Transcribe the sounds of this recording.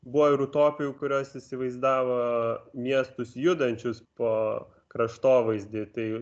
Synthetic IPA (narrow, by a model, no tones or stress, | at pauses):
bʊʋɐɪɾʊt̪oːpʲɪjukʊɾʲoːsɪsʲɪʋɐɪzd̪ɑːʋɐmʲiɛst̪ʊsjʊd̪ɐnʲt͡ʃʲʊspoː | kɾɐʃt̪oːʋɐɪzʲd̪ʲɪt̪ɐɪ